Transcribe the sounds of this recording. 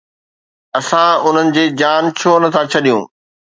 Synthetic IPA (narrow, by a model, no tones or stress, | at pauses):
ɐsãʊn̤ənɪ̆d͡ʑeːd͡ʑaːnt͡ɕʰoːnɐt̪ʰãt͡ɕʰɐɗijũː